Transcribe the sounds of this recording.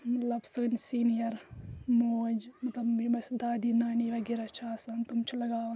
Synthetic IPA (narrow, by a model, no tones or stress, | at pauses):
mɐt̪lɐbsənsiːnijɐɾmoːd͡ʒmɐt̪lɐbimɐsd̪aːd̪inaːniʋɐɡiɾat͡ʃʰaaːsɐnt̪umt͡ʃʰilɐɡaːʋn